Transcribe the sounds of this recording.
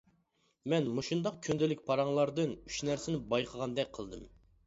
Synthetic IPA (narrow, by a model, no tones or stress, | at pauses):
mɛnmoʃund̪ɑq̚kʲʰønd̪ɪlɪkʲpʰɑɾɑŋlˠɑɾd̪ɨnyt͡ʃnæɾsɪnɪbɑjqʰəʁɑnd̪ɛk̚ʲqʰəlˠd̪ɨ̰m